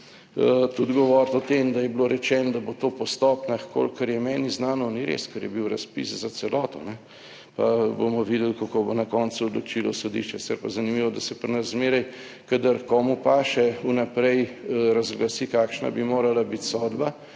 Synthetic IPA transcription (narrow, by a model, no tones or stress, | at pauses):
t̪ud̪ɡɔʋɔːɾt̪ɔt̪emd̪ajɛbloɾɛt͡ʃɛːnɔd̪abot̪oːpɔst̪ɔpnaxko̰lkəɾjɛmɛːniznaːnɔniɾḛskəɾjɛbiwɾaspḭszat̪sɛlɔːt̪ɔnɛ | pa̰bomɔʋid̪ɛlkakobonakɔnsuɔd̪lot͡ʃilɔsod̪ḭʃt͡ʃɛsi̥t̪sɛɾpazanimiʋɔd̪asɛpɾnaɾzmeːɾaj | kad̪əɾkɔːmupaʃɛunapɾɛjɾazɡlasikaːkʃna̰bimoːɾalabit̪sɔd̪ba